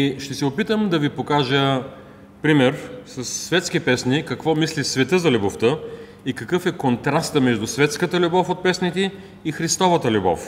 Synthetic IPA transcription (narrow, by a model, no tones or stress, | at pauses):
iʃt̪ɛsɛopit̪əmd̪ɐvipokaʒə | pɾimɛɾsɐsːvɛt̪sk̟ipɛsnikɐkvɔmislisvɛt̪ɤzɐlʲuboft̪ə | ikɐkɤfɛkont̪ɾast̪əmɛʒd̪ʊsvɛt̪skət̪əlʲubɔfot̪̚pɛsnit̪ɛ | ixɾist̪ɔvət̪əlʲubɔ̰f